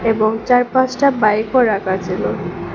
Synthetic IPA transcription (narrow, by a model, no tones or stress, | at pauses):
eboŋt͡ɕaɾpat͡ɕʈabajkʰɔɾakat͡ɕʰilo